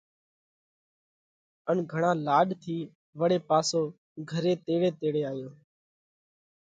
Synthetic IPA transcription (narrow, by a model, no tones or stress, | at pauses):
əɳɡʱəɳãːlaːɗt̪ʰiː | ʋəɽeːpaːsoː | ɡʱəɾeːt̪eːɽeːt̪eːɽeːaːjõː